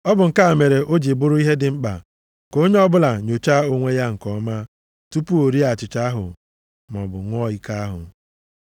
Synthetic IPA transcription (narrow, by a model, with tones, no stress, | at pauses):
ɔ˦bʊ˨ŋ̩˨ka˦a˨me˨ɾe˨ʔo˦d͡ʒi˨bʊ˦ɾʊ˦i˦ɦe˦dɪ˨ŋ͡m̩˦k͡pa̰˨ | ko˦ɲe˦ɔ˦bʊ˦la˨ɲo˨t͡ʃa˦o˦ŋʷe˦ja˦ŋ̩˨kɔ˦ma˦ | tu˦pu˦o˨ɾi˦a˨t͡ʃɪ˨t͡ʃa˦ɦʊ̰˨ | m˨ɔ̰˨bʊ̰˨˦ŋʷɔ˦i˦ka˦ɦʊ̰˨